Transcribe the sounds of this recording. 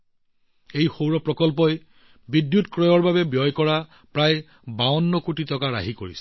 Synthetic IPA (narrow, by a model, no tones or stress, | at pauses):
ejxowɹɔpɹɔkɔlp̬ɔj | bidjutkɹɔjɔɹbabɛbjɔjkɔɹa | pɹaj | baɔnːɔkutitɔkaɹa̰ɦikoɹḭsɛ̥